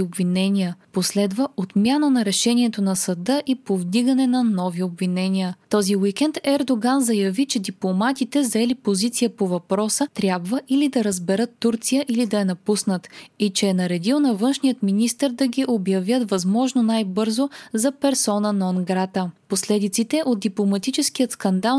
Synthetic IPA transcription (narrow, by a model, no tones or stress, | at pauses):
obvinɛnʲiəposlɛd̪vəʔot̪mʲjanənɐɾɛʃɛnʲiɛt̪onɐsɐd̪ɤʔipovd̪iɡɐnɛnɐnɔviobvinɛniət̪ɔziwikɛnt̪ɛɾd̪oɡanzɐjɐvit͡ʃɛd̪iplˠomat̪it̪ɛzɐɛlipozit̪sijəpovɐpɾɔsət̪ɾʲjabvəʔilid̪ɐɾəzbɛɾɤt̪ːuɾt̪sijəʔilid̪ɐɛnɐpusnət̪it͡ʃɛːnɐɾɛd̪ilˠnɐvɤnʃnijət̪minist̪əɾd̪ɐɡʲiʔobjɐvjət̪vɐzmɔʒnonajbɤɾzozɐpɛɾsɔnənɔnɡɾat̪əposlɛd̪it̪sit̪ɛʔod̪d̪iplˠomɐt̪it͡ʃɛsk̟ijət̪skɐnd̪alˠ